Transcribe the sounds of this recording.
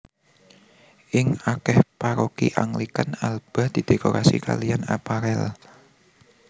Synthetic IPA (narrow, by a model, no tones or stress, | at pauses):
ʔɪŋakɛhpaɾokḭʔaŋlikanalb̥a̤d̪̥i̤d̪̥ekoɾasika̰lijanapaɾɛl